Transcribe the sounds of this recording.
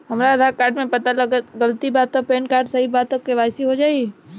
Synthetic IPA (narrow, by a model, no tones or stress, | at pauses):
ɦɐmɾad̪ʱaɾkaːɾɖmẽpɐt̪alɐɡəɡɐlt̪ibaːt̪opeːnkaːɾɖsɐɦibaːt̪ːokeʋaːsiɦod͡ʒaːi